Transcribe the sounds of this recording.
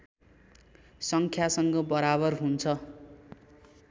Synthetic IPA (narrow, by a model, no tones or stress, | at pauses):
sʌŋkʰjasʌŋɡʌbʌɾaβʌrɦunt͡sʰʌ